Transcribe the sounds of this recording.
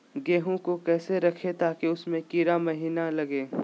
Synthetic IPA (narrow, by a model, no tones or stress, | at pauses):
ɡeːɦõkokɛːseɾɐkʰet̪aːkeʊsmẽkiɾamɐɦiːnalɐɡeː